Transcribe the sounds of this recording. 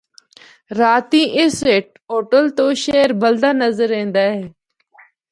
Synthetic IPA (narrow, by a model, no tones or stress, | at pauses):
ɾaːt̪ĩːʔɪseʈ̚oːʈəlt̪oːʃeːɾbəld̪aːnəzəɾẽːnd̪aːɦeː